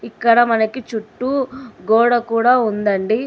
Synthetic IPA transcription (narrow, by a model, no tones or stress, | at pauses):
ikːɐɽɐmɐnɐkit͡ʃuʈːuɡɔːɽɐkuːɽaːund̪ɐɳɖi